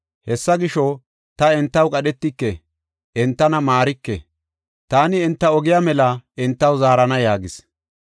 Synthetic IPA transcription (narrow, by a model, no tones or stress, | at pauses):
hɛsːɐɡɪʃɔ | t̪ɐɛnt̪ːɐwkʼɐɗɛt̪ːɪkːɛ | ʔɛnt̪ːɐnɐmaːɾɪkːɛ | t̪aːnɪːnt̪ːɐɔɡɪjaːmɛlɐɛnt̪ːɐwzaːɾɐnɐjaːɡɪs